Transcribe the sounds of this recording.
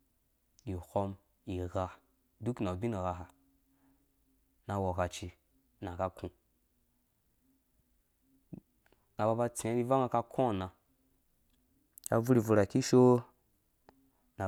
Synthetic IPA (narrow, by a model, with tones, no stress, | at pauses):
i˨ho˧m | i˨ɣa˧ | du˦kna˨bi˦ni˨ɣa˧ɦa˨ | na˧wo˨ka˧t͡ʃi˧ | nã˨ka˧kʰũ˧ | ŋɡa˨ba˧ba˧t͡sẽ˨˦i˦va˦ŋa˧ka˧kʰõ˦˨nã˧ | ka˧vu˦ɾi˨vu˧ɾa˨ki˦ʃo˦ | na˨